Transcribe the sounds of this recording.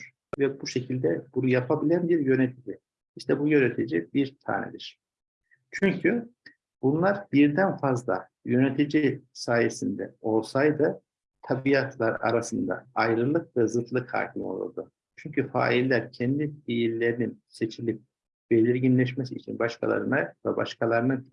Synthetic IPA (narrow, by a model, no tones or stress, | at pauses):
ɾ̥ | vɛbuʃe̞cʰilʲd̪ɛbunujapʰabilʲænbiɾjø̞net̪ʰid͡ʒi | iʃt̪ʰɛbujø̞net̪ʰid͡ʒibiɾt̪ʰa̰ːnɛ̰d̪iɾ̥ | t͡ʃʰyɲcʰy | b̥unlˠaɾbiɾd̪ænfazlˠa̰ | jø̞net̪ʰid͡ʒisaːjesind̪ɛ̰o̞lˠsajd̪ɯ | t̪ʰabijat̪ʰlˠaɾa̰ɾasɯnd̪a̰ajɾɯlˠɯk̚vɛzɯt̪ʰlˠɯkha̰ːcʰimo̞̰lˠa̰d̪ɯ̰ | t͡ʃʰyɲcʰyfa̰ːilʲːæɾcʰɛnd̪ifijilʲːe̞ɾininse̞t͡ʃʰilʲip̚ | b̥e̞lʲiɾɟinlʲɛʃ̬mesiːt͡ʃʰḭnbaʃkʰa̰lˠa̰ɾɯnavɛba̰ʃkʰalˠaɾɯna